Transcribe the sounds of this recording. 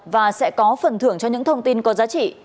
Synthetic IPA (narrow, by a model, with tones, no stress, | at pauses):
vaː˨˩sɛ̰˧˥kɔ˨˦fə˨˩nt̪ʰɨ˧˩əŋt͡ɕɔ˧ɲɨ̰˧˥ŋt̪ʰə˧wŋ͡mt̪i˧nkɔ˨˦zaː˨˦t͡ɕḭ˧˨